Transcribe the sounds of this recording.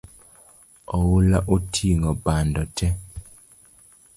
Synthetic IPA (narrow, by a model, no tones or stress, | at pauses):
ɔwulaʔotʰiŋɡɔbandɔtʰɛ